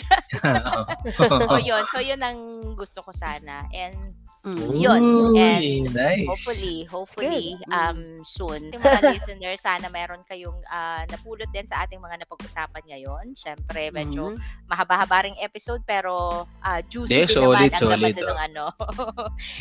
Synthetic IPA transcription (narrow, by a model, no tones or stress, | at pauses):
ʔojonsojʊnɐŋɡʊst̪okosaːnɐ̰ʔɛnd̪ | jonɛnajofʊlihopfʊliɐmsunɪŋmɐaisɛnɛɹsaːnɐmɛːɾonkɐjoŋʔaːnɐpuːlot̪̚d̪ɛnsɐʔaːt̪ɪŋmɐŋanɐpɐɡʔʊsaːpɐnŋɐjonʃɛmpɾɛmɛːd͡ʒomɐɦɐbahɐbaːɾɪŋʔɛpɪsowd̪̚pɛːɾo̞ʔad͡ʒuːsɛsoːlɪt̪soːlɪt̪nɐŋʔɐno̞